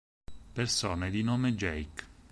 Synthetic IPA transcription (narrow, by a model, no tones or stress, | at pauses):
persoːned̪inoːmed͡ʒɛjk